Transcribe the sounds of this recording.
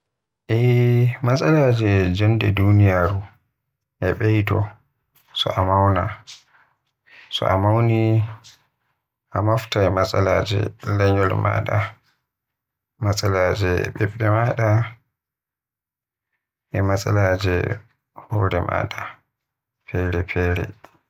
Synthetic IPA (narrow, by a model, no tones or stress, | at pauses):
ʔɛmasalaːd͡ʒɛd͡ʒɔndɛdunijaːɾu | ʔɛɓejtɔ̰ | sɔ̰ʔamawna | sɔ̰amawni | ʔamaftaɛmasalaːd͡ʒɛ̰lɛɲɔlma̰ɗa | masalaːd͡ʒɛɓɛɓɛmaɗa | ʔɛmasʼalaːd͡ʒɛ | hɔːɾɛma̰ːɗa | pʰɛɾɛpʰɛːɾɛ̰